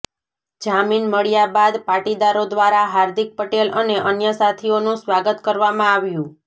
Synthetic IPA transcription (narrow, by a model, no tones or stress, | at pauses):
d͡ʒaminməɭjabad̪paʈid̪aɾod̪ʋaɾaɦaɾd̪ik̚pəʈeləneʔənjəsat̪ʰionũsʋaɡət̪kəɾʋamãaʋjũ